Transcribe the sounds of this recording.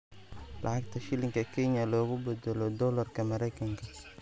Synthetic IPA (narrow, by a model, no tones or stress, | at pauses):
lʔɑʕɑɡ̚t̪ʰɐʃɪlɪŋkʰɐkʰɛɲɐlɔːɣʊbɛd̪ɛlɔd̪ɔlɐrkʰɐmɐɾɛjkʰɐŋkʰɐ